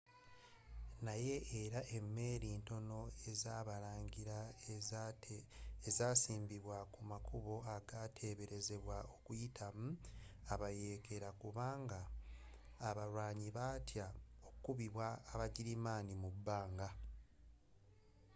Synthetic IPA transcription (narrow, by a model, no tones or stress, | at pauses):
naje̞ʔːɾaʔe̞mːe̞ːɾiːnto̞no̞ezaːβaɾaːɲɟiɾa | ezaːsiːmbiβwakumakʰuβo̞aɡatʰe̞βe̞ɾe̞ze̞βwao̞kujitʰam̩aβaje̞ːkʰe̞ɾakuβaːŋɡaː | βaɾwaːɲiβatjaokukuβiβwaːβaɟiɾimaːnimubːaːŋɡa